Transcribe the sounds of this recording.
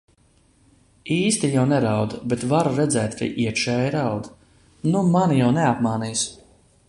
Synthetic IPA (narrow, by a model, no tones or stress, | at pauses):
iːst̪ijawnɛɾawd̪bɛt̪vaɾuɾɛd̪zɛːt̪ɾʲḭʔiɛtʃɛːjɾawd̪ | numanijawnɛapmaːnijs